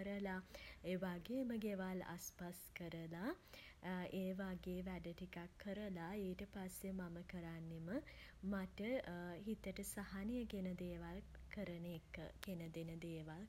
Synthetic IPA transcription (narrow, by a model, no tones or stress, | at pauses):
əɾəlaeːʋaɡeːməɡeʋala̰spaskəɾəla | eːʋaɡeːʋæɖəʈikakʰːəɾəlaeːʈəpasːemaməkəɾanːemə | maʈəhit̪əʈəsaɦanijəɡenəd̪eːʋalkəɾənekːkenəd̪enəd̪eːʋal